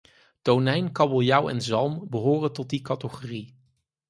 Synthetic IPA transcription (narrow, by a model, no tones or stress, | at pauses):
townɛjnkɑbolˠjɑwɛ̰nzɑlˠmbəɦoːrəntɔt̚dikɑtəχoːri